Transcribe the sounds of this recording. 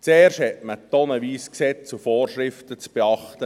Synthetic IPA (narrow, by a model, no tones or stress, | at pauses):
t͡seːrʃthɛtmətɔnəʋiːsksɛt͡sufoːrʃɾɪftət͡sb̥eɑχtə